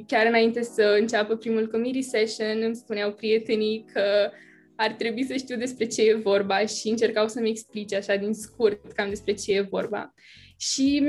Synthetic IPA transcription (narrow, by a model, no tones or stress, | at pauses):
kʲaɾɨnaint̪e̞səɨnt͡ʃapəpɾimulkomiɾiseʃonɨmspuneawpɾije̞t̪e̞nijkʰə | art̪ɾe̞buisəʃt̪iwd̪e̞spɾe̞t͡ʃe̞jevo̞rbaʃiɨnt͡ʃe̞rkawsəmeksplit͡ʃaʃad̪inskurtt̪kamd̪e̞spɾe̞t͡ʃe̞je̞vo̞̰rba̰ | ʃim